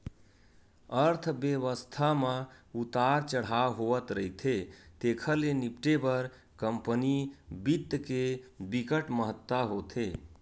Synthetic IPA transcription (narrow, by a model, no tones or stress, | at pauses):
əɾt̪ʰbjeʋəst̪ʰamãut̪aɾt͡ʃəɽ̤awɦoət̪ɾəɦit̪ʰet̪ekʰəlenipʈebəɾ | kəmpənibid̪kebikəʈməɦət̪ːaɦot̪ʰe